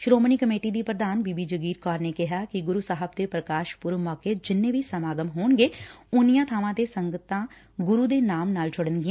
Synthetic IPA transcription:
ʃɾoːmniːkəmeːʈiːd̪iːpɾəd̪aːnbiːbiːd͡ʒəɡiːɾkɔːɾneːkɪɦaːkɪɡʊɾuːsaːɦəb̚t̪eːpɾəkaːʃpʊɾmɔːkeːd͡ʒɪnːẽːʋʱiːsəmaːɡəmɦoːɳɡeːʊnijãːt̪ʰaːʋãːt̪eːsəŋɡət̪ãː | ɡʊɾuːd̪eːnaːmnaːlt͡ʃʰʊɽənɡɪẽː

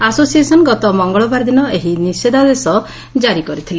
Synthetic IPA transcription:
asosiesɔnɔɡɔt̪ɔmɔŋɡɔɭɔbaɾd̪inɔeɦinised̪ad̪esɔ | d͡ʒaɾikɔɾit̪ʰile

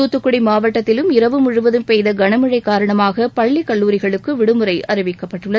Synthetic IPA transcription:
uːt̪ːɯkːɯɽimaːʋɐʈːɐt̪ːɪlɯmɪɾɐʋɯmʊɻɯʋɐðɯmpɛjðɐɡɐɳɐmɯɻɐɪkːaːɾɐɳɐmaːɣɐpɐɭːikɐɭːuːɾɪɣɐɭɯkːɯʋɪɽɯmɯɾɐɪʔɐɾɯʋɪkːɐpːɐʈːɯɭːɐð

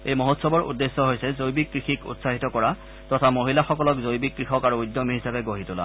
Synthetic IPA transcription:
ejmoɦotsɔbɔɹʔṵdːesːɔɦojsɛzojbikːɹixikṵtsaɦitɔkɔɹa | tɔtʰamoɦilaxɔkɔlɔkzojbikːɹixɔkaɹuːjdːomiɦisabɛɡoɦitʊla̰

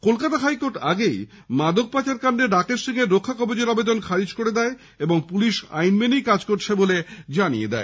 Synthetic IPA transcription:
kolkat̪aɦajkoɾʈaɡej | mad̪ʱok̚pat͡ɕaɾkaɳɖeɖakeʃt̪ʰeɡeɾokʰːakɔbod͡ʑeɾabed̪onkʰaɾid͡ʑkoɾed̪ɛe | eboŋpuliʃa̰jnmenijkad͡ʑkoɾt͡ɕʰeboled͡ʑanijed̪ɛ̰e

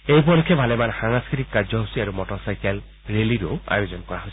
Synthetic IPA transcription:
ejpɔlikʰːɛbʱalɛmanxaŋskɹitikːad͡ʒɔɦusiaɹumɔtɔsajkal | ɹeliɾoa̰jozɔnkɔɹaɦojs

